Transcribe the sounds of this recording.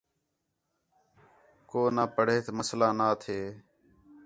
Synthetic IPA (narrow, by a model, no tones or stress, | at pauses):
koːnaːpəɽ̤eːt̪ːməslaːnaːt̪ʰeː